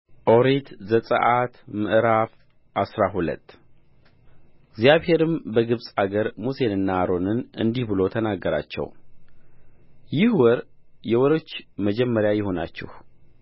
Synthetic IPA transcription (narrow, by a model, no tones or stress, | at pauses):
ʔo̞ɾet̪zəsʼə̰ʔat̪mɨʔɾaf | ʔasɾaɦulə̰t̪ː | ɪɡzjaβhe̞ɾɨmbəɡɨβsʼaɡəɾmuse̞nɨnːaːɾo̞nɨnɨ̰nd̪ihbɨlo̞t̪ʰənaɡːəɾa̰t͡ʃːɛ̰w | jɪhwɔɾjɛwɔɾo̞t͡ʃːməd͡ʒɛmːəɾjajɪho̞na̰t͡ʃːɪ̰h